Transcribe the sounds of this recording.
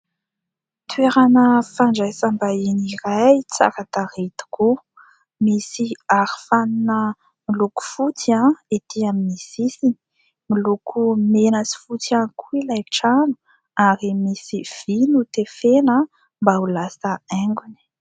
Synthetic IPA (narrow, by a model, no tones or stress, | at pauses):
t̪ʰweɾanəfaɳɖ͡ʐajsambainiɾajt͡sa̰kat̪aɾet̪u̥ku | misiaɾi̥faninə | miluku̥fut͡siãet̪ʰiaminisisini̥ | milukʰumenasi̥fut͡siakʰuilajʈ͡ʂanu̥ | aɾimisiv̥inut̪efena | mbaulasəɛŋɡuni̥